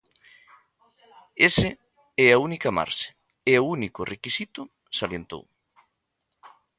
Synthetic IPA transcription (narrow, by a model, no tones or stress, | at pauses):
esɪ | ɛaunikama̰ɾse̥ | eounikʊrekisit̪ʊ | saljent̪o̰w